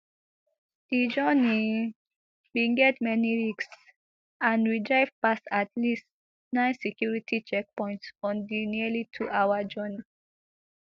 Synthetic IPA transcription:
d̥id͡ʒəni | wiɡɛtmɛniɹiks | ãnɹidɹaɪvpasatʰlist | nãɪ̃nsɛkʰjuɹitʰit͡ʃɛk̚pɔ̃ɪ̃ntsɔ̃ndiniəlitʰuʔawad͡ʒɔni

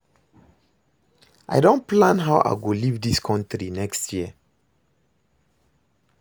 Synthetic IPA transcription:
ʔa̰ɪdõnplãnɦaʊʔa̰ɪɡolivdiskʰɔ̃ntɾinɛkstʰjiə

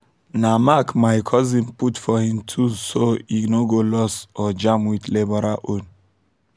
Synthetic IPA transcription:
namakmajkʰɔzĩmputfɔhĩmtʰusoiɡnoɡolɔsɔd͡ʒamwit̪lebɔɾaʔon

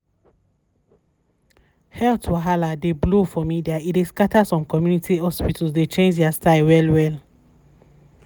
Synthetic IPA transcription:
hɛltʰwaɦaladeblofɔmidiaideskatasɔ̃mkɔmjunitʰihɔspitʰlsdet͡ʃẽnd͡ʒɛastaɪwɛlwɛl

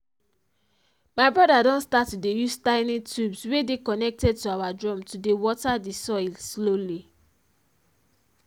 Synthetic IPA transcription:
maɪbɹɔdadɔ̃nstatːudejustãɪnitubswedekɔnɛk̚tɛd̚tuawadɹɔ̃mtudewɔtadisɔɪlsloli

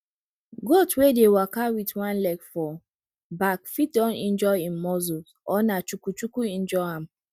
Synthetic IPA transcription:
ɡotwedewakawitwãnlɛkfɔ | bakfit̚dɔ̃nĩn̩d͡ʒɔĩm̩mɔzu | ɔnat͡ʃukut͡ʃukuĩn̩d͡ʒɔɦãm̩

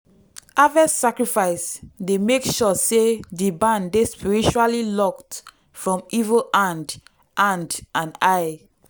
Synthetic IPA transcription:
avɛssakɹifaɪsdemekʃɔsedibãndespiɹit͡ʃualilɔk̚t | fɹɔ̃mivəlãnd | ʔãndãnaj

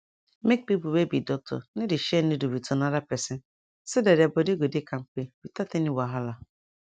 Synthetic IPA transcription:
mek̚pipuwebidɔk̚tʰɔ̰nɪdɪʃɛnɪdubitʰonaɾapɾɛsɪn | sɪdedabodeɡʷodekʰaŋ̩k͡peb̥itateniwaɦala

